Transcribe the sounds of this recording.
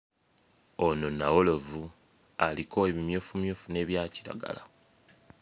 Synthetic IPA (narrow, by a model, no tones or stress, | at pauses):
ono̞nawo̞lo̞vu | alikʰo̞eβimjo̞ːfumjoːfune̞ːβjaːciɾa̰ɡa̰la̰